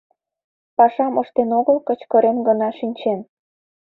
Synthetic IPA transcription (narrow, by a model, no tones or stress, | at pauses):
pɑʃɑməʃt̪enoɣəlkət͡ɕkəɾemɡənɑʃinʲt͡ɕen